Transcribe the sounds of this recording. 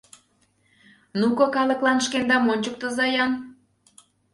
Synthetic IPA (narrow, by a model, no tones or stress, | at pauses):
nukɤ̆kɑlɤ̆klɑnʃkend̪ɑmonʲt͡ɕək̚t̪ə̆zɑjɑn